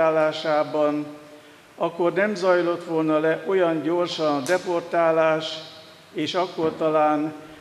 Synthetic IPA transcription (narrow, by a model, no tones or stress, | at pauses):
aːlaːʃaːbɒn | ɒkːo̞rnɛmzɒjlo̞t̪ʋo̞lnɒlɛʔo̞jɒnɲɟo̞rʃɒnd̪ɛpo̞rt̪aːlaːʃ | eːʃɒkːo̞rt̪ɒlaːn